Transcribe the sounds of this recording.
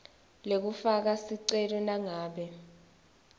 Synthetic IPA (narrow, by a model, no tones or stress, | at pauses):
lek̬ufak̬asiǀɛlɔnaŋaːɓɛ